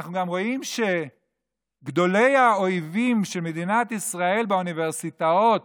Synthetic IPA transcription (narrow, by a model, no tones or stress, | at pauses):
χnuɡamʁo̞imʃe̞ | ɡd̪o̞le̞jao̞ivimʃelme̞d̪inat̪isʁae̞lbeuniveʁsit̪ao̞t̚